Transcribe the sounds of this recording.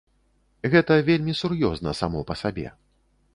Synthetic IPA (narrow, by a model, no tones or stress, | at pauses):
ɣɛt̪ɐvʲelʲmʲisurjɔznɐsamɔpɐsabʲɛ̰